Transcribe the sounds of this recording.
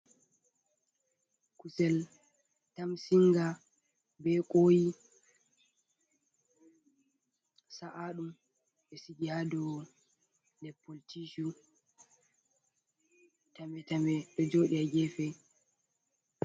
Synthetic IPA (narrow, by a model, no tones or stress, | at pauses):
kusɛl | tamsiŋɡa | bɛkʼoːji | saʔaɗum | ɓɛsiɡiadɔ | ndɛpːoltiʃu | tamɛtamɛɗɔd͡ʒoːɗiaɡɛfɛ